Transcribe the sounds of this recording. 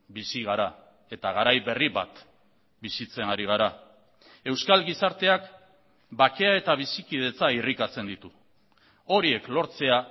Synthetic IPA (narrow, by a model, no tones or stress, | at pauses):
bisiɣ̞aɾa | e̞t̪aɣ̞aɾajβe̞riβa̰t̪ | bisit͡se̞naɾiɣ̞aɾa | e̞wskalɡisaɾt̪e̞ak | bake̞ae̞t̪aβ̞isikið̞e̞t͡sairikat͡se̞nd̪it̪u | o̞ɾie̞klo̞ɾt͡se̞a